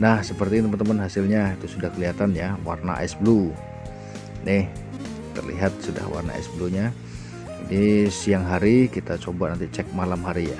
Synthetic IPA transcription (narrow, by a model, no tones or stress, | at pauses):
nahsəpərt̪it̪əmənt̪əmənɦasɪlɲait̪usudahkəliɦat̪anjawa̰rna̰ʔɛ̰sblu | nɪh | t̪ə̰rlḭɦat̪̚suda̰hwa̰rna̰ɛ̰sbluɲa | d͡ʒadisiaŋɦaɾikit̪at͡ʃobanant̪it͡ʃɛk̚malamɦaɾija̰